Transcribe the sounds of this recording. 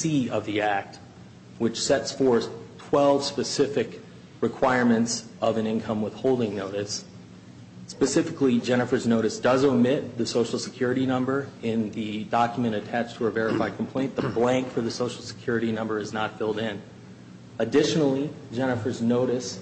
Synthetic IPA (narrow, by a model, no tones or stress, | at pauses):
siʌvðiæk̚t̚ | wɨt͡ʃsɛtsfɔɹθtʰw̥ɛlˠv̥spɨsɪfɨk | ɹɨkʰw̥aɪɹmɨ̃ntsʌvɨ̃nɪ̃nkʰʌ̃mwəð̥hoʊlˠdɪ̃ŋnoʊɾɨs | pɨsɪfɨklid͡ʒɛñɨfə˞znoʊɾɨsd̥ʌzəmɪt̪̚ðɨsoʊʃl̩ˠsɨkʰj̥ʊɹɨɾinʌ̃mbə˞ɪ̃nðɨdɑkjmɨ̃ɾ̃ɨtʰæt͡ʃtʰəəvɛɹɨfaɪd̚kʰm̩pʰl̥ẽɪ̃nðəblæ̃ŋkfə˞ðɨsoʊʃl̩ˠsə̥kʰj̥ʊɹɨɾinʌ̃mbə˞ɨznətfɪlˠdɪ̃n | ɨdɪʃnl̩ˠid͡ʒɛñɨfə˞znoʊɾɨs